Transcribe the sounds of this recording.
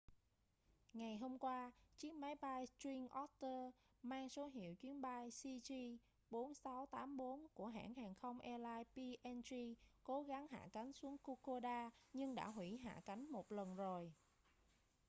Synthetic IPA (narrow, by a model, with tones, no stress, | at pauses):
ŋa˨˩jɦo˧mkwaː˧t͡ɕɨ˦˥ək̚ma˨˦jɓa˧jt͡ɕwi˧ŋʔɔ˦˥t̚t̪əː˧maː˧ŋso˨˦ɦḭ˧˨əwt͡ɕwi˨˦ənɓa˧jsi˧t͡ɕi˧ | ɓo˨˦nsa˨˦wt̪aː˨˦mɓo˨˦nku˧˩əɦa̰ː˧˩˨ŋɦaː˨˩ŋxə˧wŋ͡mʔɛ˧laː˧jpi˧ʔɛ˧nt͡ɕi˧ko˨˦ɣa˨˦ŋɦa̰ː˧˨ka˨˦jŋ̟su˨˦əŋko˧ko˧ɗaː˧ɲɨ˧ŋɗa̰ː˧˥ɦwi˧˩ɦa̰ː˧˨ka˨˦jŋ̟mo˨˩t̚lə˨˩nzo˨˩j